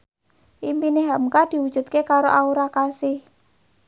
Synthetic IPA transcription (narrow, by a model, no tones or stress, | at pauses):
ʔimpineɦamkad̪̥i̤wud̥ʒ̥ṳt̪̚kekaɾoʔauɾakasɪh